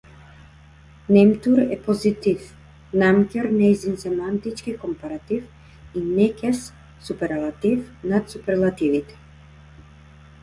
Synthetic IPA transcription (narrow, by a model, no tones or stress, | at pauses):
nɛmt̪uɾɛpɔzit̪if | namkʲɛɾnɛjzinsɛmant̪it͡ʃkikɔmpaɾat̪if | inɛkʲɛs | supɛɾlˠat̪ifnat̪supɛɾlˠat̪ivit̪ɛ̥